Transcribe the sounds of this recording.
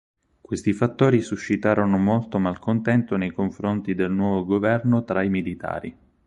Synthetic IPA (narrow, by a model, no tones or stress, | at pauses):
kwest̪ifat̪ːoːɾisuʃːit̪aːɾonomolt̪omalkont̪ɛnt̪onejkoɱfɾont̪id̪elnwɔːvoɡovɛrnot̪ɾaimilit̪a̰ːɾḭ